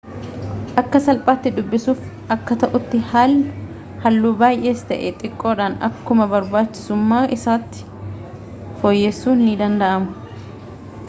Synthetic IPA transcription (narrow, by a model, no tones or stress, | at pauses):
ʔɐkːɐsɐlpʼaːt̪ːɪd̪ʊbːɪsuːf | ʔɐkːɐt̪ɐʔʊt̪ːɪhaːl | hɐlːuːbaːjʔe̞ːst̪ɐʔɛt̪ʼɪkʼːo̞ːᶑaːnɐ̰kːʊmɐbɐɾbaːt͡ʃːɪ̥sʊmːaːʔɪsaːt̪ːɪ̥ | fojːesːuːnhɪnɪd̪ɐnd̪ɐʔɐmʊ̥